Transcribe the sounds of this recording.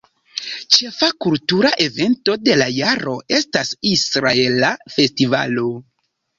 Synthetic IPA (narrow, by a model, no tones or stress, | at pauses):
t͡ʃe̞fakultuɾaʔe̞ve̞nto̞de̞lajaɾo̞ʔe̞stasisɾae̞lafe̞stiva̰lo̞